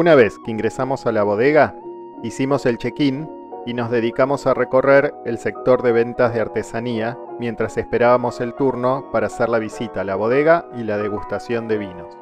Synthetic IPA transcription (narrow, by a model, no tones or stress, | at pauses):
unaβe̞skeiŋɡɾesamo̞salaβo̞ð̞eɣa | isimo̞se̞lt͡ʃe̞kin | ino̞zðe̞ðikamo̞sareko̞reɾelse̞k̚t̪o̞ɾðe̞β̞e̞nt̪azð̞eaɾt̪e̞saniamje̞nt̪ɾase̞spe̞ɾaβamo̞se̞lt̪uɾno̞paɾaːseɾlaβ̞isit̪alaβo̞ð̞e̞ɣailað̞e̞ɣust̪asjo̞nd̪e̞βino̞s